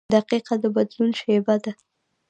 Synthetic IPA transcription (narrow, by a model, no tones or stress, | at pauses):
d̪aqiqad̪əbad̪lunʃebad̪a